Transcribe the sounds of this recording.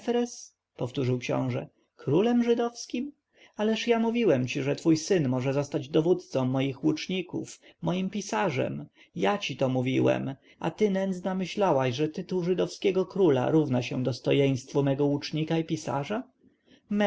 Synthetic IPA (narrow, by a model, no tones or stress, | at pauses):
fɾɛs | pɔft̪uʐɘwkɕɔ̰̃w̃ʐɛ̰ | kɾulɛmʐɘd̪ɔfskʲim | alɛʂjamuvʲiwɛmt͡ɕiʐɛt̪fujsɘnmɔʐɛzɔst̪ad͡ʑd̪ɔvut̪t̪sɔmːɔjixwut͡ʂɲikṵfmɔjimpʲisaʐɛ̰m | jat͡ɕit̪ɔmuvʲiwɛ̰m | ʔa̰t̪ɘnɛnd̪znamɘɕlawaɕʐɛt̪ɘt̪uwʐɘd̪ɔfskʲɛɡɔkɾula̰ɾuvnaɕɛ̰̃d̪ɔst̪ɔjej̃st̪fumɛɡɔut͡ʂɲikaipʲisa̰ʐa | m